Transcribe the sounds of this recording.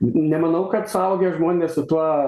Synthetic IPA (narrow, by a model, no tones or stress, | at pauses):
nʲɛmɐnɐʊkɐt̪sʊɐʊɡʲeʒmoːnʲnʲessʊt̪uɔ